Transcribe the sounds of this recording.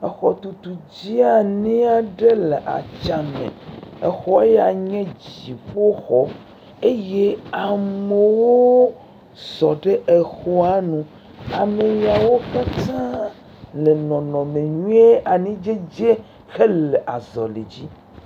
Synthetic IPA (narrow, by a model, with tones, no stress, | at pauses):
e˨xɔ˨t̪u˨t̪u˨d͡ʑi˦a˨nĩ˦a˦ɖe˦le˨ʔa̰˨t͡ʃa˨mḛ̃˨e˨xɔ˦e˦ja˨ɲɛ̃˦d͡ʑi˨ɸo˦xɔ˦ | e˦je˦a˨me˨wo˦ | sɔ˨ɖe˦ʔe˨xɔ˦a˦nũ˨ | a˨me˨ji˨a˨wo˦ka˦t̪ã˦ | le˨nɔ̃˨nɔ̃˨mẽ˨ɲũ˦e˦a˨nĩ˦d͡ʒe˦d͡ʑe˦ | xe˦le˨ʔa˨zɔ˨lḛ˨d͡ʑi˦